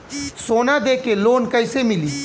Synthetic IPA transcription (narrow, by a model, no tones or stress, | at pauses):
soːnad̪eːkeloːnkəɪsemɪliː